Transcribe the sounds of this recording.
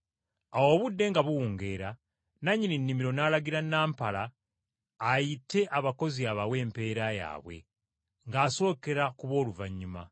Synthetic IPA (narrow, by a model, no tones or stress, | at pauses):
awo̞ːβudːe̞ŋɡaβuwuːŋɡe̞ːɾa | naɲːininːimiɾo̞naːlaɡiɾanaːmpalaː | jitːe̞ʔaβako̞ziaβawe̞ːmpe̞ːɾaja̰ːβwḛ | ŋɡaːso̞ːke̞ɾakuβo̞ːluvaɲːuma̰